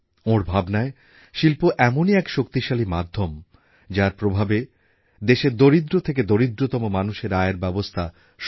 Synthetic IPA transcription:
oɾbʱabnae | ʃilpoʔɛmoniɛkʃokt̪iʃalimad̪ʱːom | d͡ʑaɾpɾobʱabe | d̪eʃeɾd̪oɾid̪ɾot̪ʰek̬ed̪oɾid̪ɾot̪ɔmomanuʃeɾaeeɾbɛbost̪ʰa | ʃ

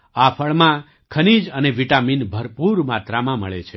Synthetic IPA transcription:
apʰəɭmã | kʰənid͡ʒəneʋiʈaminbʱəɾpuɾmat̪ɾamãmə̰ɭḛt͡ʃʰe

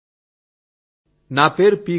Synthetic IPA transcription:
napeɾpi

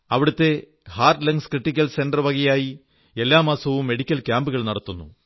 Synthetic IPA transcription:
ɐʋiɽut̪ːe̞ | haːrʈlɐŋɡskriʈːikʲːɐlse̞nɖɐrʋɐɣɐjaːji | e̞lːaːmaːsɐʋumːe̞ɽikʲːɐlkʲaːmbuɣɐɭnɐɽɐt̪ːunːu

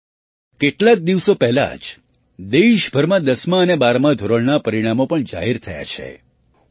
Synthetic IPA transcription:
keʈlak̚d̪iʋsopɛɦla̰d͡ʒ | d̪eʃbʱəɾmãd̪əsmãənebaɾmãd̪ʱoɾəɭnapəɾiɽ̃amopəɳd͡ʒa̰ɦiɾt̪ʰəja̰t͡ʃʰḛ

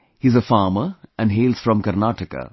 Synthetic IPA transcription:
hizəfaːməʔæ̃nɖɦeːlz̥fɾɔ̃mkəɾnaʈəka̰

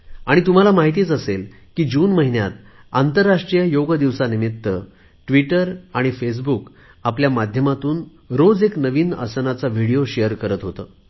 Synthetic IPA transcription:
aɽ̃it̪um̤alamaɦit̪̬iːt͡səsel | kiːd͡ʑuːnməɦinja̰t̪ | a̰nt̪əɾːaʂʈɾijəjoɡəd̪iʋsanimit̪ːə | ʈʋiʈəɾaɽ̃ifes̬buk | apljamad̪ʱjəmat̪uːn | ɾod͡zeknəʋiːnə̰sənat͡saʋiɽijoɕejəɾkəɾət̪ɦot̪əː

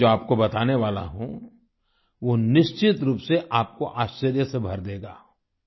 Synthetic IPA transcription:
oːaːp̚kobɐt̪aːneʋaːla̰ɦõ̰ | ʋoːnɪʃt͡ʃɪt̪ɾuːpseʔaːp̚koʔaːʃt͡ʃəɾjəsebʱɐɾd̪eːɡa̰ː

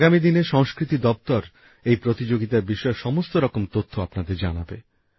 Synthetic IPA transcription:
aɡamid̪ineʃɔŋskɾit̪id̪ɔb̚t̪ɔɾ | ejpɾot̪id͡ʑoɡit̪aɾbiʃɔeɾʃɔmost̪oɾɔkomt̪ot̪ʰːoapnad̪eɾd͡ʑanabḛ

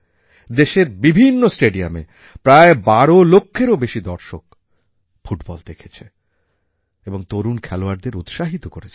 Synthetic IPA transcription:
d̪eʃeɾbibʱinːosʈeɖiamḛ | pɾaebaɾolokʰːeɾobeʃid̪ɔɾʃok | fuʈbɔld̪ekʰe̥t͡ɕʰe | eboŋt̪oɾunkʰɛloaɾd̪eɾut̪ʃaɦit̪okoɾet͡ɕʰe

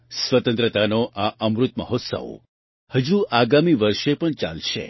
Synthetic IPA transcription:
sʋət̪ənt̪ɾət̪anoʔaʔəmɾut̪̚məɦot̪sə̰ʋ | həd͡ʒuʔaɡamiʋəɾʃepəɳt͡ʃa̰lʃḛ

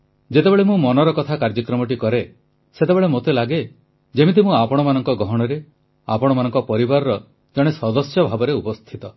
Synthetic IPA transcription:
d͡ʒet̪ebeɭemũmɔnɔɾɔkɔt̪ʰakaɾd͡ʒɔkɾɔmɔʈikɔɾe | set̪ebeɭemot̪elaɡe | d͡ʒemit̪imũapɔɽ̃ɔmanɔŋkɔɡɔɦɔɽ̃ɔɾe | apɔɽ̃ɔmanɔ̃ŋkɔpɔɾibaɾɔɾɔ | d͡ʒɔɽ̃esɔd̪ɔsjɔbʱabɔɾeupɔst̪ʰit̪ɔ

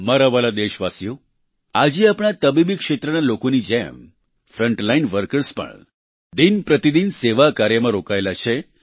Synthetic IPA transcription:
məɾaʋalad̪eʃʋasjo | ad͡ʒiapɳ̃at̪əbibikʃet̪ɾənalokonid͡ʒɛ̰m | fɾəɳʈlainʋəɾkəɾspə̰ɳ | d̪inpɾət̪id̪inseʋakaɾjəmãɾokajlat͡ʃʰe

